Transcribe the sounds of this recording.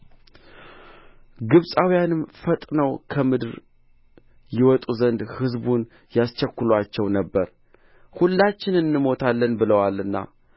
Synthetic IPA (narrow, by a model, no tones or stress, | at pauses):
ɡɨβsʼawijanɨmfət̪ʼnəwkʰəmɨd̪ɾ | jɪwɔt̪ʼuzənd̪hɨzbun | jast͡ʃːɛkːʊlwat͡ʃːɛwnəbːəɾ | hulːat͡ʃːɪnɨnːɨmo̞t̪ʰalːənbɨləwalɨnːa̰